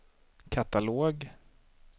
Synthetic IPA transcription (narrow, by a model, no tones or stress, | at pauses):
kʰat̪aloːɡ